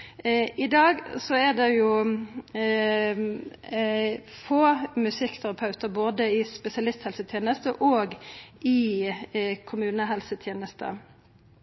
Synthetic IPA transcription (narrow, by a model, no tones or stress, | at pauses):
ʔɪd̪ɑːɡsɔɛd̪ɛjʊ | foːmʉsɪkːt̪ʰɛʁɑpʰɑʉt̪əɾboːd̪əɪspɛsɪɑlɪst̪hɛlsət̪ʰjeːnəst̪əʔoːɡɪ | kʰʊmʉːnəɦɛlsət̪ʰjeːnəst̪ə̰